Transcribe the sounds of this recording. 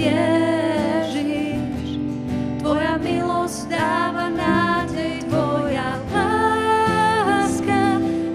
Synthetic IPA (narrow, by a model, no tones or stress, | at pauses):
ɛ | ʒi | ʃ | t̪ʋɔjamilɔsɟd̪aːvanaːɟɛjt̪ʋɔja | la | ska